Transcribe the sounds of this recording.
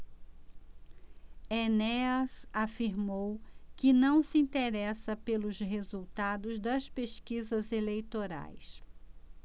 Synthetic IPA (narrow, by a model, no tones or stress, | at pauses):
enɛɐsafiɾmowkɪnɐ̃w̃sɪĩnt̪eɾɛsɐpelʊzɦezuwt̪ad̪ʊzd̪ɐspeskizɐzelejt̪oɾa̰js